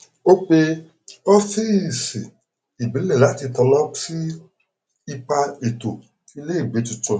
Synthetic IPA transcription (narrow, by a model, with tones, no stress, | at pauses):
o˦k͡pe˧ | ɔ˦fi˦˨si˨ | i˨bi˨˦lɛ˦˨la˨˦ti˧tɔ˧lɔ˦si˦ | i˧k͡pa˧e˨to˨ | i˧le˦i˦˨ɡ͡be˨˦tu˧tɔ̃˧